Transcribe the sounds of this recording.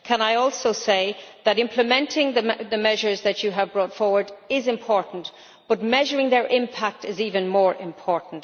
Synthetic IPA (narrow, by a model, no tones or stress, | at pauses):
kʰə̃naɪɔlˠsoʊseɪðəɾɪ̃mpʰləmɛ̃ntʰɪ̃ŋðəðəmɛʒə˞zðɨt͡ʃɨəvbɹɔtfɔɹwə˞dɪzɪ̃mpʰɔɹʔn̩t | b̥ʌt̚mɛʒəɹɪ̃ŋðə˞ʔɪ̃mpʰak̚tɪziːvə̃nmɔːɹʔɪ̰̃mpʰɔɹʔn̩t